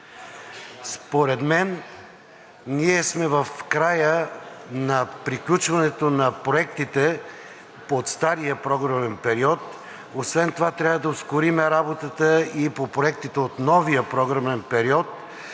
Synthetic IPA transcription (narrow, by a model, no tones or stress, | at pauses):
spoɾɛd̪mɛn | niɛsmɛvəfkɾajənɐpɾiklʲut͡ʃvɐnɛt̪onɐpɾoɛkt̪it̪ɛ | ot̪st̪aɾijəpɾɔɡɾɐmɛnpɛɾiɔt̪ | osvɛnt̪ovat̪ɾʲavəd̪ɐoskʊɾimɛɾabot̪ət̪əipopɾoɛk̚t̪it̪ɛot̪nɔvijəpɾɔɡɾɐmɛnpɛɾiɔt̪